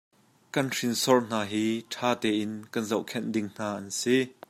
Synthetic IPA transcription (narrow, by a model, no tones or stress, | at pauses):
kɐnrinsɔrn̥aːɦiːtʰaːt̪ɛːʔɪnkɐnzɐwʔkʰɛndɪŋn̥aːʔɐnsi